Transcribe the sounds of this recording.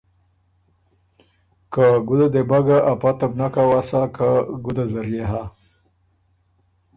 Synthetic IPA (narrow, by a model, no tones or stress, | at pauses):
kaɡʊd̪ad̪ebaɡaʔapat̪abnakawasakaɡud̪azaɾjeɦa